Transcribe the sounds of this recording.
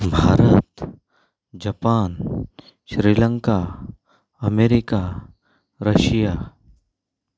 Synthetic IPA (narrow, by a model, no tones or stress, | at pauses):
bʱaːɾət̪ | d͡ʒɐpaːn | ʃɾiːlə̃ŋka | ɐmeːɾɪka | ɾɐʃijaː